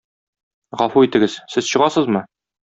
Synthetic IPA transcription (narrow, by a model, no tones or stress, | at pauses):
ʁɒfuit̪ɘ̆ɡɘz̥sɘzɕɤ̆ʁɑsɤzmɤ